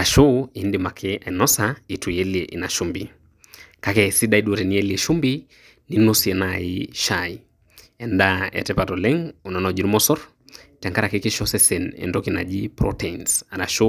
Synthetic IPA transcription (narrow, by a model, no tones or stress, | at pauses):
aʃuindimakʰɛainɔsaitujɛliɛʔḭnaʃumbi | kakɛsiɗaiɗuɾɛniɛliɛʃumbi | ninusiɛnaiʃai | ɛndaɛ̰tɛpatɔlɛŋunɔnɔd͡ʒiɾmɔsɔɾ | tɛŋkaɾakikiʃɔsɛsɛnɛ̰ndɔkina̰ʄipɾɔ̰tɛnsaɾaʃu